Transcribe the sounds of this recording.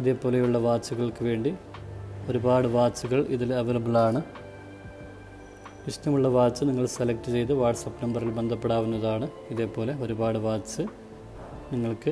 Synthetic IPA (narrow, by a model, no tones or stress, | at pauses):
ɐðe̞ːpːo̞ːlejuɭːɐʋaːt͡ɕːuɣɐɭkɨʋe̞ːɳɖi | o̞ɾubaːɽɨʋaːt͡ɕːuɣɐɭiðileʋɐlɐbɐlaːɳɨ | ʋiʂt̪ɐmuɭːɐʋaːt͡ɕːɨniŋːɐɭselɐkʈːɨt͡ɕe̞jt̪̬ɨʋaːʈsɐpʈɐmbɐrilbend̪ʱɐpːeɽaːʋunːɐðaːɳɨ | iðe̞ːpːo̞ːle̞o̞ɾubaːɽɨʋaːt͡ɕːɨ | niŋːɐɭkɨ